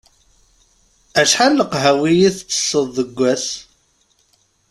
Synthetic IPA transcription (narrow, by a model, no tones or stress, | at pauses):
æʃħalːəqɦæwijiθt͡sːə̥sːəðˤːəɡʷːæs